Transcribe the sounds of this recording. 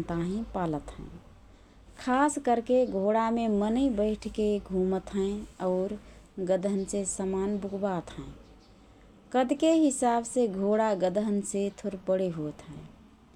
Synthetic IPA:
t̪aɦĩpaːlət̪ɦɛ̰̃ː | kʰaːskəɾkeɡʱoɽamemənəibəɪʈʰkeɡʱũmət̪ɦɛ̃ɔːɾɡəd̪ʱənsesəmanbʊɡbat̪ɦɛ̃ː | kəd̪keɦɪsaːbseɡʱoɽaɡəd̪ʱənset̪ʰoɾpəɽeɦot̪ɦɛ̃

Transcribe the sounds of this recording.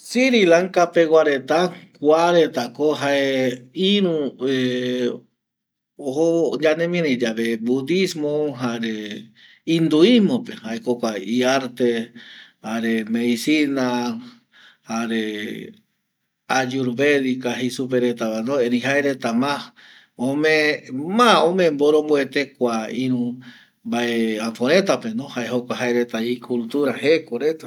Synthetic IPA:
siɾilaŋkapewaɾet̪akʷaɾet̪akoɦaeiɾũe | ohod͡ʒanẽmĩɾẽid͡ʒaβebud̪ismoɦaɾe | ind̪uimopehaekokʷaiaɾt̪ehaɾemeisina | haɾe | ad͡ʒuɾβeðikaɦisup̬eɾet̪aβanoeɾiɦaeɾet̪ama | õmẽmaõmẽmboɾomboet̪ekʷaĩɾũ | mbaeafoɾẽt̪apenõhaeɦokʷaɦaeɾet̪aikult̪uɾahekoɾet̪a

